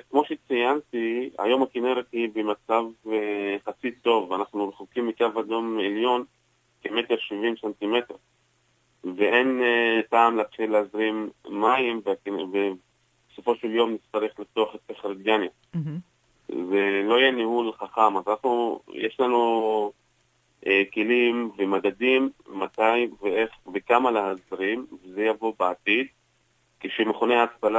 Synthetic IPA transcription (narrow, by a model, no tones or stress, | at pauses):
kmo̞ʃet͡sijant̪ia̰jo̞mhakineɾet̪hibemat͡savneχat͡sit̪ːo̞vanaχnuleχokimːikavajo̞meljo̞n | kemet̪eʁʃivimsant̪ime̞t̪eʁ | veʔe̞npaːmleat̪χileazʁimːaimvkve | beso̞fo̞ʃeljo̞mnitt͡st̪aʁeχlift̪oaχet̪ːeχɾid̪̚ɡanja | zelo̞jenihulχaχamazanaχnujeʃlanu | ʔekelimvemaɡad̪imːat̪ajiveeχvekamaleɦazʁimvezejavo̞beat̪id̪̚ | keʃemeχoneaaspala